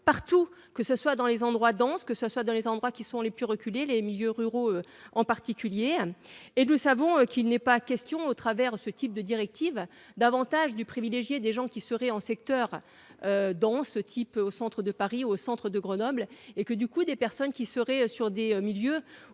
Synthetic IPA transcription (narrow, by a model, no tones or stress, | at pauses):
paʁt̪u | kəsəswad̪ɑ̃lezɑ̃d̪ʁwad̪ɑ̃skəsəswad̪ɑ̃lezɑ̃d̪ʁwakʲisɔ̃leplyʁəkʲylelemiljøʁyʁoø | ɑ̃paʁt̪ikʲyljeː | nusavɔ̃økʲilnɛpakʲɛst̪jɔ̃ot̪χavɛʁsət̪ʰip̚d̪əd̪iʁɛk̚t̪iv | d̪avɑ̃t̪aʒd̪ypχivileʒjed̪eʒɑ̃kʲisəʁɛɑ̃sɛk̚t̪œːʁ | ød̪ɑ̃sət̪ʰiposɑ̃t̪χəd̪əpaʁiosɑ̃t̪χəd̪əɡʁənɔblekəd̪ykud̪epɛʁsɔnkʲisəʁɛøsyʁd̪emiljø